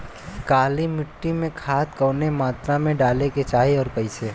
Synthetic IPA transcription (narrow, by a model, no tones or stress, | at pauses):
kaːlimɪʈːimẽkʰaːt̪̚kəːnemaːt̪ɾamẽɖaːleket͡ʃaːɦeɔːɾpəɪsʰeː